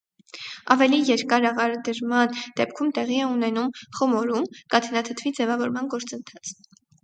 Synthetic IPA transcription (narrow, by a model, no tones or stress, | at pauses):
ɑvɛlijɛɾkɑɾɑʁɑɾəd̪əɾmɑnd̪̥ɛp̚kʰumt̪ɛʁiɛunɛnumχɔmɔɾumkɑt̪ʰənɑt̪ʰət̪ʰvid͡zɛvɑvɔɾmɑnɡɔɾt͡sənt̪ʰɑt͡sʰ